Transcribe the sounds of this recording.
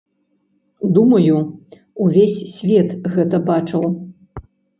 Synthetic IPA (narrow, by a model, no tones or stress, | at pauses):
d̪umɐju | uvʲesʲsʲvʲɛt̪ɣɛt̪ɐbat͡ʂɐw